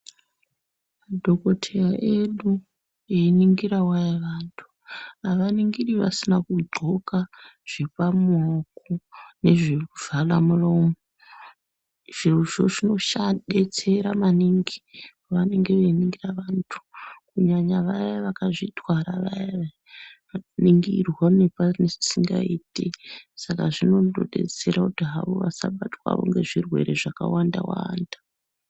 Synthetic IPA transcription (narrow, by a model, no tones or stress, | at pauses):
madʱo̞ko̞tʰejaʔeɗu | einiŋɡiɾawajaʋaːntʰu̥ | aʋaniŋɡiɗiʋa̰sinakuo̞kaʐ̥e̞pamokone̞ʐeuvalamuromo | ʐ̥iruʐo̞ʐino̞ʃaɗe̞t͡se̞ɾamaniŋɡi | ʋane̞ŋɡe̞ʋeniŋɡiraʋantʰu̥kuɲaɲaʋajaʋakaʐitwaɾaʋaja | niŋɡirwanepanesi̥siŋɡaiːtesakaʐino̞doɗe̞̰t͡se̞ɾakutiɦaʋo̞ʋasaɓatwa̰ʋo̞̰ŋɡe̞ʐirwe̞̰ɾe̞ʐakawanda̰waːndḁ